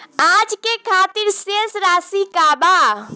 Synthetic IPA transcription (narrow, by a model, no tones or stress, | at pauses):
ad͡ʒkekʰat̪iɾsesɾasikaba